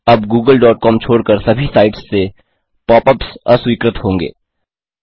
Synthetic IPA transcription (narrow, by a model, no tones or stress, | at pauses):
ɐbɡuːɡəlɖɔːʈ̚kɔːmt͡ʃʰoːɽkəɾsɐbʱisaːɪʈsːe | pɔːpəpsɔ̰swiːkɾət̪hõːŋɡḛː